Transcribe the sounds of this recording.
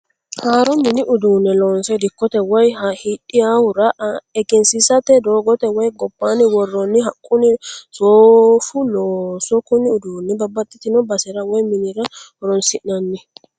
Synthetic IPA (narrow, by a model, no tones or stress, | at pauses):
haːɾɔmɪnɪʔʊd̪uːnːɛloːnsɛd̪ɪkːɔt̪ɛwɔjhɐhiᶑɪjawʊɾɐɛɡɛnsɪsɐt̪ɛd̪oːɡɔt̪ɛwɔjɡɔbːanɪwɔrːɔnːɪɦɐkʼːʊnɪsoːfʊloːsɔkʊnɪʊd̪uːnːɛbɐbːɐt̪ʼːɪt̪ɪnɔbɐsɪɾɐwɔjmɪnɪɾɐhɔɾɔnsɪʔɐnːɪ